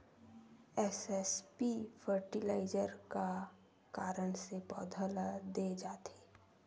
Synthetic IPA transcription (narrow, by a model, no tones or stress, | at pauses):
ɛsɛspifʰəɾʈilaːɪd͡ʒəɾka | kaːɾəɳ̃sepɔ̰ːd̪ʱəlad̪ed͡ʒaːt̪e̥ː